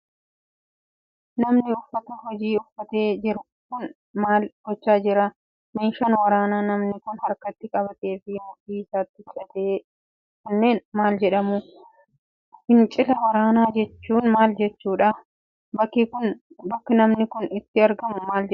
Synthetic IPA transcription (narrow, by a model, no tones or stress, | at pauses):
nɐmnɪʊfːɐt̪ɐɦɔd͡ʒiːʊfːɐt̪e̞ːd͡ʒɪɾ | kʊn | maːlɡ̥ɔt͡ʃːaːd͡ʒɪɾɐ | meːʃɐnwɐɾaːnaːnɐmnɪkʊnhɐɾkɐt̪ːɪkʼɐbɐt̪e̞ːfɪmʊt̪ːiːɪsaːt̪ːɪt͡ʃʼːɐt̪eː | kʊnːe̞ːnmaːld͡ʒɛᶑɐmʊ | hɪnt͡ʃʼɪlɐwɐɾaːnaːd͡ʒɛt͡ʃːuːnmaːld͡ʒɛt͡ʃːuːᶑɐ | bɐkːɪkʊn | bɐkːɐnɐmnɪkʊnɪt̪ːɪɐɾɡɐmʊmaːld͡ʒɛ